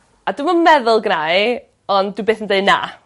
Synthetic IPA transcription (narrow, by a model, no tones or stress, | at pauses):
aduməmɛðʊlˠɡnaj | ɔndubeːθəndeɨna̰